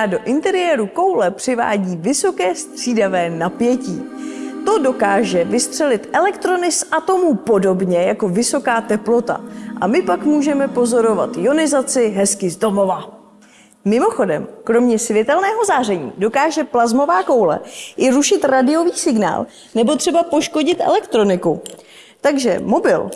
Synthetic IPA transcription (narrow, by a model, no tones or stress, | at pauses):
ado̞ʔɪnt̪ɛɾɪjɛːɾuko̞wlɛpr̝̥ɪva̰ːɟiːvɪso̞kɛːst̪r̥iːdavɛːnapjɛciːt̪o̞do̞kaːʒɛvɪst̪r̝̥ɛlɪt̪ʔɛlɛkt̪ɾo̞nɪsʔat̪o̞muːpo̞do̞bɲɛjako̞vɪso̞kaːt̪ɛplo̞t̪a̰ʔamɪpakmuːʒɛmɛpo̞zo̞ɾo̞va̰t̪jo̞nɪzat͡sɪɦɛskɪzdo̞mo̞va | mɪmo̞xo̞dɛ̰mkɾo̞mɲɛsvjɛt̪ɛlnɛːɦo̞zaːr̝ɛɲḭːdo̞kaːʒɛplazmo̞vaːko̞wlɛ̰jɪɾuʃɪt̪ɾadɪjo̞viːsɪɡna̰ːl | nɛbo̞t̪r̥ɛbapo̞ʃko̞ɟɪt̪ʔɛ̰lɛkt̪ɾo̞nɪku | t̪aɡʒɛ̰mo̞bɪ̰l